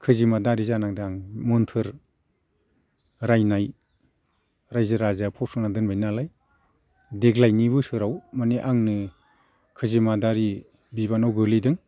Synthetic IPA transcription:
kʰɯzimadaɾizanaŋdaŋmɯntʰɯɾ | ɾajnaj | ɾajzɯɾazapʰɔsɔŋnadɯnbajnalaj | deɡlajniβɯsɯɾawmaneʔaŋnɯ | kʰɯzimadaɾi | biβanawɡɯlidɯŋ

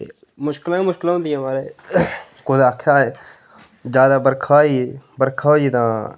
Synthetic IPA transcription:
eː | mʊʃkɪlãːmʊʃkɪlɦõnd̪ɪjãːʋaːleː | kʊd̪aːkʰaːeː | d͡ʒjaːd̪aːbəɾkʰaːiːbəɾkʰaːiːt̪ãː

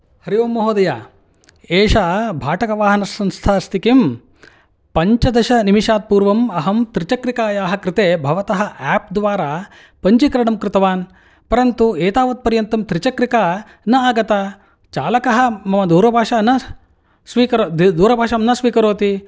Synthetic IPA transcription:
hɐɾiʋoːmːɐɦoːd̪ɐja̰ː | eːʃaːbʱaːʈɐkɐʋaːɦɐnɐsːɐnst̪ʰaːst̪ʰikim | pɐɲt͡ʃɐd̪ɐʃɐnimiʃaːd̪̚puːɾʋɐmɐɦɐmt̪ɾit͡ʃɐkɾikaːjaːɦɐkɾɪt̪eːbʱɐʋɐt̪ɐɦɐ̆ʔɛːp̚d̪ʋaːɾaː | pɐɲt͡ʃikɐɾɐɽɐmkɾɪt̪ɐʋaːn | pɐɾɐnt̪ueːt̪aːʋɐt̪̚pɐɾjɐnt̪ɐmt̪ɾit͡ʃɐkɾikaː | nɐaːɡɐt̪a | t͡ʃa̰ːlɐkɐɦɐ̆mɐmɐd̪uːɾɐbʱaːʂaːnɐ | sʋiːkɐɾod̪uːɾɐbʱaːʃɐmnɐsʋiːkɐɾoːt̪i

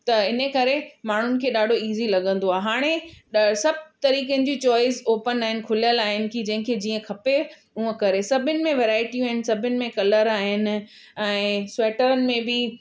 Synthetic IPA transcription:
t̪ɐɪnəkɐɾemaːɳ̤ʊnɪ̆kʰeːɗaːɖʱoiːzilɐɠə̃nd̪oaːɦeɦaːɽ̃esɐb̚ʱt̪ɐɾiːkənɪ̆d͡ʑit͡ɕɔːɪzoːpənaːɦɪnɪ̆kʰʊlijəlaːɦɪnɪ̆kʰid͡ʑɐ̃ɦɪ̃kʰeːd͡ʑiːə̃kʰɐpe | uə̃kɐɾesɐbʱɪnɪ̆mẽʋeːɾaːɪʈijũaːɦɪnɪ̆sɐbʱɪnɪ̆mẽkɐləɾaːɦɪnɪ̆ | ɛ̃ːsʊweːʈəɾənɪ̆mẽbɪ

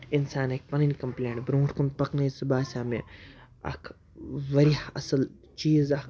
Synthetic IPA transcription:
ɪnsaːnek̚pɐninkɐmplẽːɳʈbɾõːɾkunpɐknɐjsɪbaːsʲaːmi | ɐ̰kʰ | ʋɐɾihɐ̰səl | t͡ʃiːzɐk

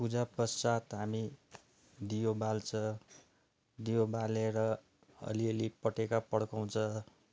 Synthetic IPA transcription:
pud͡zapʌsat̪ɦami | d̪ijobalt͡sʰʌ | d̪ijobaleɾʌ | ʌ̰liʌlipʌʈekapʌɽkaw̃t͡sʰʌ

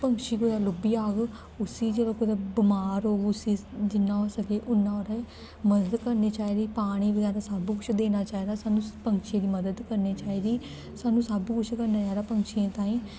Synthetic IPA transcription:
pəŋkʃiːkod̪aːlʊbiːaːɡ | ʊsiːd͡ʒeːɽaːkʊd̪aːbɪmaːɾɦoːɡʊsiːd͡ʒɪnːãːosəkeːʔʊnːãːoːɾa | məd̪əd̪kəɾneːt͡ʃaːiːd̪iːpaːɽ̃iːbəd͡ʒaːɾaːsaːbuːkʊt͡ʃʰd̪eːnaːt͡ʃaːiːd̪aːsaːnũːpəŋʃẽːd̪iːməd̪əd̪kəɾneːt͡ʃaːiːd̪iː | saːnũːsaːbiːkʊt͡ʃʰkəɾnaːd͡ʒaːd̪aːpəŋkʃiãːt̪ãːĩː

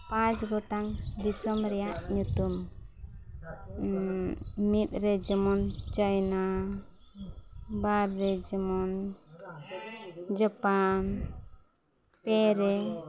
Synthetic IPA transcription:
pãt͡ʃɡɔʈaŋd̪isɔmɾɛjaʔɲut̪um | mit̪̚ˀɾɛd͡ʒɛmɔnd͡ʒajna | baɾːɛd͡ʒɛmɔn | d͡ʒɔpan | pɛɾɛ

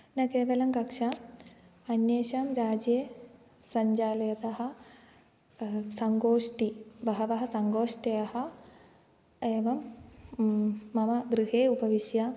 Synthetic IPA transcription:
nɐkeːʋɐlɐmkɐkʂa | ɐnjeːʃamɾaːd͡ʒje | sɐɲd͡ʒaːlɐjɐt̪ɐɦɐ̆ | sɐŋɡoːʂʈibɐɦɐʋɐɦɐ̆sɐŋɡoːʂʈɐjɐhɐ̆ | eːʋɐm | ɐmɐd̪ɾiɦeːupɐʋiʃja

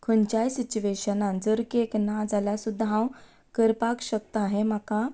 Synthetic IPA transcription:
kʰənt͡ɕajsit͡ɕuʋeɕənãnd͡zəɾkeknad͡zaljasud̪ʱːaɦãw | kəɾpakɕək̚t̪əaɦem̤aka

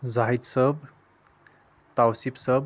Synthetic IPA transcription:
zaɦid̪səb | t̪awsipsəb̚

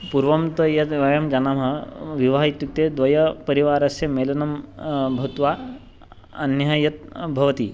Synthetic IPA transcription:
puɾʋɐmt̪ɐjɐt̪ʋɐjɐmd͡ʒɐnɐmɦɐʋiʋaːɦit̪juk̚t̪eːd̪ʋɐjɐpɐɾiʋaːɾɐsjɐmeːlɐnɐmbʱɐt̪ʋaː | ɐ̰njɐɐjɐt̪̚bʱɐʋɐt̪i

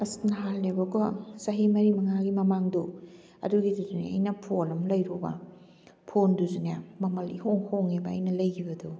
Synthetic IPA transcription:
ɐsnɐɦalnebɐkɔsɐɦimɐɾimɐŋaɡimɐmaŋdu | ɐ̰duɡiduzunḛɐ̰jnɐpʰolɐmlɐjɾubɐ̰ | pʰonduzunjamɐmɐlihoŋhoŋebɐɐjnɐlɐjkʰibɐdu

